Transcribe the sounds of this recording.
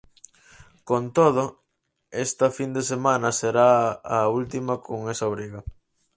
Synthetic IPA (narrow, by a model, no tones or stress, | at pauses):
kont̪oð̞ʊ | est̪ɐfind̪esemanɐseɾaɐult̪imɐkʰoŋesɐoβɾiɣɐ